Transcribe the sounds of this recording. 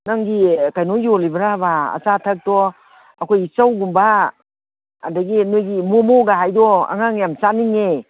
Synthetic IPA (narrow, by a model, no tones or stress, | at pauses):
naŋɡikajnɔjɔlibaɾabaa̰satʰak̚tɔ | akʰojisawɡumba | daɡinɯɡimɔmɔɡaɦajdɔa̰ŋaŋjamsaniŋe